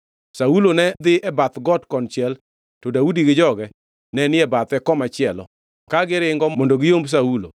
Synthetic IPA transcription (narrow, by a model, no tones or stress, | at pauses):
saulonɛd̪ɪʔɛbat̪ɡɔtkɔnt͡ʃɪɛl | tɔdaudiɡɪd͡ʒɔɡɛ | nɛnɪɛbat̪ɛkɔmat͡ʃɪɛlɔ̰ | kaɡɪɾɪŋɡɔmɔndoɡɪjombs̬aulo